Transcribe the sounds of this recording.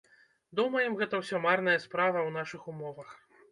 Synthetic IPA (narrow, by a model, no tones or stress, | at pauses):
d̪umɐjɛmɣɛt̪ɐwsʲɔmarn̪ɐjɐspɾavɐwnaʂɨxumɔvɐx